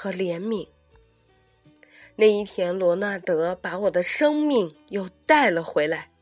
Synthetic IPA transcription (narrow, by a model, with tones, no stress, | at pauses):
xɤ˧˥ljɛ˧˥nmi˨˩˦ŋ | na˥˩ɪi˥˩t̪ʰjɛ˥nlwɔ˧˥na˥˩t̪ɤ˧˥pa˧˥wɔ˨˩d̪ə˦ʂɤ˥ŋmi˥˩ŋjo˥˧ʊt̪a˥˩ɪlə˩xwe˧˥ɪla˧˥˦ɪ